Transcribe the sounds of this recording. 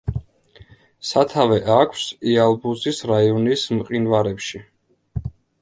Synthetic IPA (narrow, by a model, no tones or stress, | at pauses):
sat̪ʰavɛʔakʰsialˠbuzisɾaiɔnismqʼinvaɾɛpʃi